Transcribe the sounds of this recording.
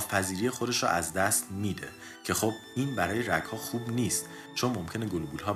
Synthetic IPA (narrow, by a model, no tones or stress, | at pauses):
fæziːɾijexo̞d̪eʃɾɔ̰ʔæzd̪æst̪miːd̪e̞̰ | cʰe̞xob̚iːnbæɾɒːje̞ɾæɡhɒːxuːbniːst̪ | t͡ʃʰonmomcʲʰe̞ne̞ɡolubuːlɦɒː